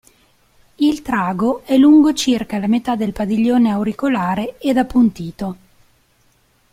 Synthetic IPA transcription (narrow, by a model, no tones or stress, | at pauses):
ilt̪ɾaːɡoɛluŋɡot͡ʃirkalamet̪ad̪elpad̪iʎːoːneawɾikolaːɾeed̪apːunt̪iːt̪o